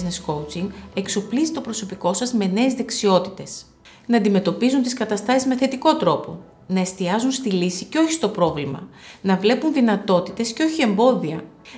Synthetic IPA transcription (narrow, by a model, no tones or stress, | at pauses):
zne̞skowt͡siŋɡe̞kso̞plizit̪o̞pɾo̞so̞piko̞sɐzme̞ne̞ːzðe̞ksio̞t̪i̥t̪e̞s | nɐːnd̪ime̞t̪o̞pizunt̪iskɐt̪ɐst̪ɐsizme̞θe̞t̪iko̞t̪ɾo̞po̞̰ | nɐe̞st̪iɐzunst̪ilisiceo̞çist̪o̞pɾo̞vlimɐ̰nɐvle̞punðinɐt̪o̞t̪i̥t̪e̞sceo̞çie̞mbo̞ðiɐ̰